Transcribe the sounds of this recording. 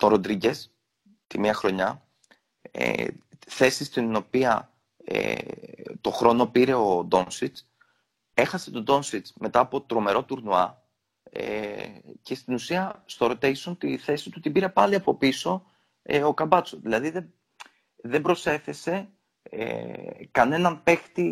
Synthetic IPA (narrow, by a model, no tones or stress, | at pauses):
t̪oɾo̞nd̪ɾiɟes | t̪imiɐxɾo̞ɲɐ | ḛθe̞sist̪ino̞piɐ | ḛ | t̪o̞xɾo̞no̞piɾe̞od̪o̞nsit͡s | e̞xɐse̞t̪o̞d̪o̞nsit͡sme̞t̪ɐːpo̞t̪ɾo̞me̞ɾo̞t̪uɾnuɐ̰ | ḛce̞st̪inusiɐst̪oɾot̪esont̪iθe̞sit̪ut̪ibiɾe̞pɐliɐpo̞piso̞ | eo̞kɐbɐt͡soðilɐðiðe | ðe̞bɾo̞se̞θe̞se̞ | ḛkɐne̞nɐnpe̞xt̪i